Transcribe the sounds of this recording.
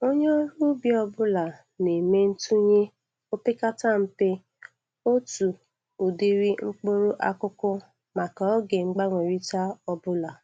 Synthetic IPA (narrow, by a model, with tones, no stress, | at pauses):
o˦ɲe˦o˦ɾu˦bi˦ɔ˦bʊ˦la˨ | ne˨me˦n̩˦tu˦ɲe˦ | o˦pɪ˦ka˦ta˦˨m̩˦pe˦ | o˦tu˨ | u˨di˦ɾi˦ŋ͡m̩˦k͡po˦ɾo˦ʔa˦kʊ˦kʊ˦ | ma˨ka˨ɔ˦ɡe˨ŋ͡m̩˦ɡ͡ba˦ŋʷe˨ɾi˦ta˦ɔ˦bʊ˦la˨